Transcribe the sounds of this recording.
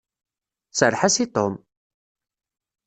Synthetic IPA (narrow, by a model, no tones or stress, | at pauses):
səɾħasit̪om